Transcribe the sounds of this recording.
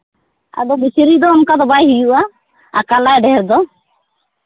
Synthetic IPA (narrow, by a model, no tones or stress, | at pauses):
a̰d̪ɔbisiɾid̪ɔːnkad̪ɔbajɦijuʔaː | kalaɛɖɛɦɛɾd̪ɔ